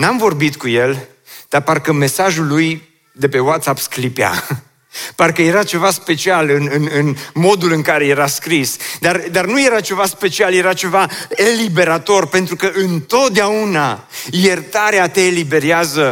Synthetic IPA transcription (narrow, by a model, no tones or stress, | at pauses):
namvo̞rbit̪kuje̞l | d̪̥arparkəme̞saʒulːuj | d̪e̞pe̞wat̪sapsklipea̰ | parkəje̞ɾat͡ʃe̞vaspe̞t͡ʃialɨnɨnɨnmo̞d̪ulɨŋkaɾe̞je̞ɾaskɾisd̪ard̪arnuje̞ɾat͡ʃe̞vaspe̞t͡ʃialje̞ɾat͡ʃe̞vaelibe̞ɾat̪o̞rpe̞nt̪ɾukəʔɨnt̪o̞t̪̚d̪eaunaje̞rt̪aɾeat̪eːlibe̞ɾjazə